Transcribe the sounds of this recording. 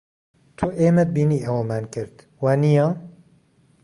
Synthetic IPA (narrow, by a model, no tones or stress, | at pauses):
t̪ʰuʔeːmɛd̪̚biːniːʔɐwɐmaːnkɨɾt̪ | waːnijɑː